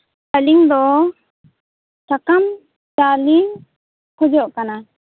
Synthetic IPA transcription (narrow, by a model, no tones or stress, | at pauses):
aliŋd̪ɔ | takam | t͡ʃaliŋ | hɔd͡ʒɔʔkana